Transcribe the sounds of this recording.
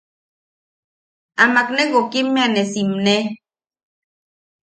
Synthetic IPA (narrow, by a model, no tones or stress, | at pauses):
amakneɣokimːeanesimne